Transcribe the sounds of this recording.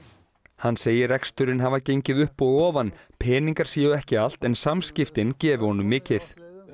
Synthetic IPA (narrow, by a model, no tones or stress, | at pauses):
hanːseːjɪrɛkst̪ʏɾɪnɦavaɾcejɲcɪðʏhpɔɣɔːvanpʰɛːniŋkaɾ̥siːʏɛhcɪal̥t̪ɛnsamscɪft̪ɪncɛːvʏɾhɔnʏmːɪːcɪθ